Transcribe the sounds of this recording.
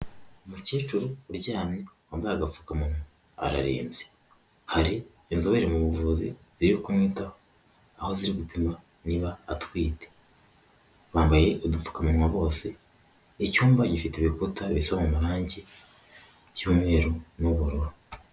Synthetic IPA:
muce̞ːt͡ʃuɾuɾɟaːmɲewambaaɡafu̥kamunwa | a̰ɾa̰ɾḛːmze | haɾi | inzoβeɾemuβuvuzḭβiiokumŋiːtaho | aho̞ziɾiɡupimwa | niβa̰ːtwiːte̥ | βaːmbaje̞odufu̥kamunwaβo̞ːse̞ː | cuːmbaɟifiteβikutaβisaβamumuɾaːɲɟe | juːmŋe̞ːɾonoβuɾoɾo

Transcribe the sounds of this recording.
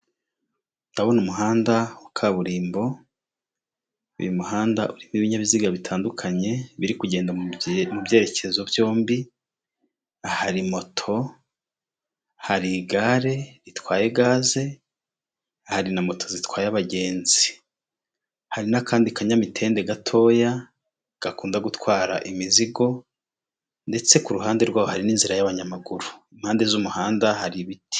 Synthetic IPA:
nd̥aβonumuɦaːndawukʰaβuɾiːmbo̞ | ṵjumuɦaːnda̰ʔuɾimiβiɲaβiziɡaβitʰaːndukʰaɲe̞βiɾikuɟe̞ːndamubje̞ːɾe̞ce̞zo̞bjo̞ːmbi | ahaɾimo̞tʰo̞ | haɾiɡaɾe̞ɾitwaːje̞ɡaːze̞ | ahaɾinamo̞tʰo̞zitwaːjaβaɟe̞ːnzi | haɾinakʰaːndikaɲamitʰe̞ːnde̞ɡatʰo̞ːja | ɡ̥akuːndaɡutwaːɾa̰ʔimiziɡo̞ | nde̞t͡se̞kuɾuɦaːnde̞ɾɡwaːβohaɾiniːnziɾajaβaɲamaɡuɾuimhaːnde̞zumuhaːndahaɾiβiti̥

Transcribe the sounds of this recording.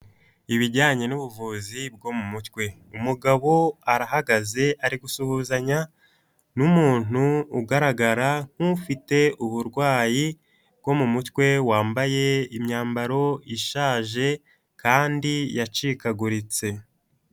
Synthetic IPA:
iβiɟaːɲe̞nuβuvuːzibɡo̞mumutkwe̞umuɡaβo̞aɾaɦaɡaze̞aɾiɡusuhuzaɲa | numuːn̥uːɡaɾaɡaɾaŋ̥hufite̞uβuɾɡwaːji | bɡ̥o̞mumutwe̞waːmbaje̞imɲaːmbaɾo̞iʃaːʒe̞ | kaːndijat͡ʃikaɡuɾit͡se̞

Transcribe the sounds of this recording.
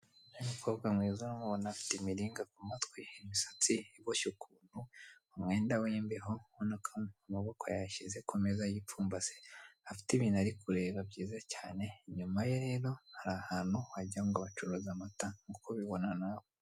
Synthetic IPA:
nimukʰoβɡamŋiːzanomuβonafi̥timiɾiːŋɡakumatwiiβisḁt͡siβoʃukʰuːn̥huumŋe̞ːndawiːmbeɦo̞hunakʰanamaβo̞ko̰jaʃizekʰomezajip͡fuːmbaseafi̥tiβinaɾikuɾe̞ːβabɟiːzacaːne̞ɲumajeɾe̞ːɾo̞haɾaːhaːn̥huhaɟaŋɡaβat͡ʃuɾozamataŋɡukoβiβo̞nanaβo

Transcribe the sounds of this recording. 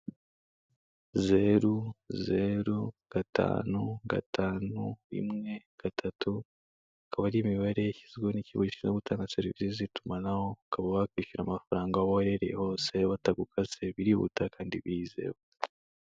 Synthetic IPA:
ze̞ɾuzeɾuɡ̥atʰa̰ːnuɡa̰tʰaːnuḭmŋe̞ | ɡ̥atʰatʰu | akaβaɾimiβe̞ɾeçizɡoniciβoit͡ʃinoɡutʰaːŋɡase̞ɾivisizitumanaho̞akaβaβakwiʃiɾa̰mafaɾaːŋɡaβojeɾḛho̞ːse̞βataɡukʰazeβiɾiβṵtakaːndiβiize̞̰βo

